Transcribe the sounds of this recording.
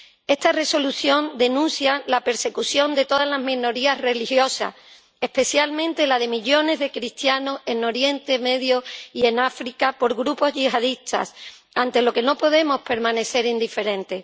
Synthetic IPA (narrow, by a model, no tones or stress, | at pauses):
e̞st̪are̞so̞luθjo̞nd̪e̞nũnθjalape̞ɾse̞kuθjo̞nd̪e̞t̪oðazlazmĩno̞ɾiare̞lihjo̞sa̰ | e̞hpe̞θjalmẽnt̪e̞lað̞e̞miʎo̞ne̞zðe̞kɾist̪jano̞se̞no̞ɾje̞nt̪e̞me̞ðjoie̞nafɾikapo̞ɾɣɾupo̞zʝihaðist̪ʰa̰s | ant̪e̞lo̞ke̞no̞po̞ðe̞mo̞hpe̞ɾmãne̞θe̞ɾind̪ife̞ɾẽ̞nt̪e̞